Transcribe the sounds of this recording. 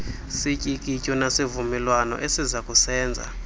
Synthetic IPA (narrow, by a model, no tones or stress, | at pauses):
sicʼikʼicʼɔnasivumɛlwanɔ̰ʔesizakʼusɛːnd͡zʱa̰